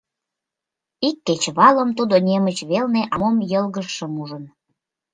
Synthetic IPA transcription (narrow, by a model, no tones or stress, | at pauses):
ikːet͡ɕβɑləmt̪ud̪onʲemət͡ɕβelneʔɑmomjəlɣəʃːəmuʒən